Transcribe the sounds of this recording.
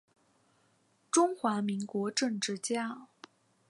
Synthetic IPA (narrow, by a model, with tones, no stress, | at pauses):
ʈ͡ʂʊ˥ŋxwa˧˥mi˧˥ŋkwɔ˧˥ʈ͡ʂɤ˥˧ŋʈ͡ʂɻ̩˥˩t͡ɕja˥